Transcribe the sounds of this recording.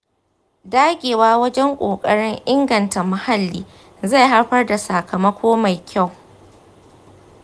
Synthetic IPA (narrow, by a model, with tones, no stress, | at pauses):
daː˦ɡʲeː˨waː˦wɐ˦d͡ʒɛ˦ŋkʷʼoː˨kʼɐ˦ɽɪ˦ŋʔɪ˦ŋɡɐ˨nta˨ma˨ha˦lːiː˦ | za˦˨jɦa˦ɽɸɐ˦rda˨sa˨kʰɐ˨mɐ˦kʷoː˦ma˨jkʲʰa˦˨w